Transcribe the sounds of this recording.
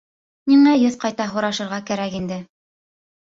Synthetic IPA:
niŋæjɵðqɑjt̪ɑɦŏɾɑʃɤ̆ɾʁɑkæɾækind̪ɘ

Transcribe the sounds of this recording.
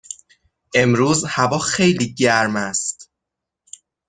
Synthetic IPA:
ʔe̞mɾuːzhævɒːxe̞jliːɟæɾmæst̪

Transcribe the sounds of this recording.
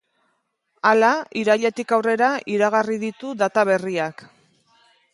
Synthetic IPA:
alaiɾaʎe̞t̪ikawre̞ɾaʔiɾaɣ̞ariðit̪uðat̪aβe̞riak

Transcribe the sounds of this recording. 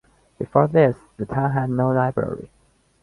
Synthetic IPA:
b̥ɨfɔɹðɪsðətʰãʊ̃nɦædⁿnoʊlaɪbɹɛ̰ɹḭ

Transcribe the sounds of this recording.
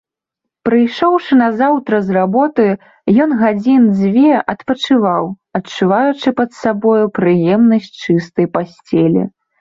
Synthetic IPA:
pɾɨjʂɔwʂɨnɐzawt̪ɾɐzrabɔt̪ɨ | jɔnɣad͡zʲind͡zʲvʲɛʔɐt̪pɐt͡ʂɨvaw | ɐt͡ʂːuvajut͡ʂɨpɐt̪sabɔjupɾɨjɛmnɐsʲt͡ʂɨst̪ɐjpasʲt͡sʲɛlʲḭ

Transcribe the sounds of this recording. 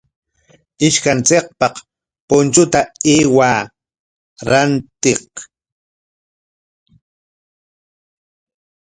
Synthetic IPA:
ɪʃkant͡seq̚pɑq | pʊnt͡ʃʊt̪aeːwaː | ɾant̪eq

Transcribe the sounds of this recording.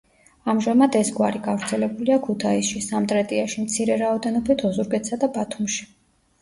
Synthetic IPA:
amʒamad̪ɛsɡwaɾiɡavɾt̪sʰɛlɛbuliakʰut̪ʰaisʃisamt̪ʼɾɛt̪ʼiaʃimt̪sʰiɾɛɾaɔd̪ɛnɔbit̪ʰɔzuɾɡɛt̪sad̪abat̪ʰumʃi̥

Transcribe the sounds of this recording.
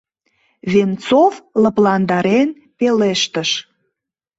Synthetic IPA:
vent͡sovləplɑnd̪ɑɾen | peleʃt̪əʃ

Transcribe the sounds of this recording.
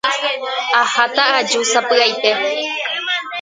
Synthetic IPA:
ahat̪aʔad͡ʒusapɨajt̪e

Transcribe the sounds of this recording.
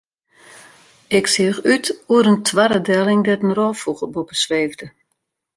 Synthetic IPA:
ɪksiəxytuəɾəntʰʋaɾədɛlˠɪŋdɛtənrɔːfuɣəbupəsʋeːvdə

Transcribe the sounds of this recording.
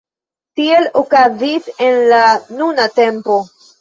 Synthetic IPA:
tie̞lokazise̞nlanunate̞mpo̞

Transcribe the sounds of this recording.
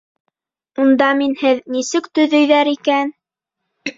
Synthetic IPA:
und̪ɑminhɘðnisɘkt̪ɵ̆ðɵ̆jðæɾikæn

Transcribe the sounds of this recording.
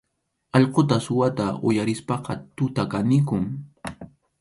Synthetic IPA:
ɑʎqot̪asʊwat̪aʔʊ̰jaɾɪspɑqɑt̪ʊt̪akanɪkʊŋ

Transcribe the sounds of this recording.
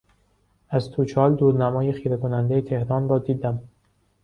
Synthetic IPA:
æzt̪ʰut͡ʃʰɒːld̪uːɾnæmɒːjexiːɾekonænd̪e̞jet̪ʰe̞hɾɒːnɾɒːd̪iːd̪æm

